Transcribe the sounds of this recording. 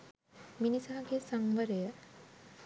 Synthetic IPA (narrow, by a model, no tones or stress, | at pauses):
minisaɦaɡesaŋʋəɾejə